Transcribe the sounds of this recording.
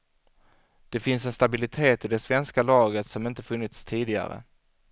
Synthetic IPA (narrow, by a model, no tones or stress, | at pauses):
d̪̥ɛfɪnsɛnst̪abɪlɪt̪ʰeːt̪ɪd̪ɛsvɛnskalɑːɡət̪sɔmɪnt̪əfɵnːɪt̪st̪ʰiːd̪ɪɡa̰ɾə̰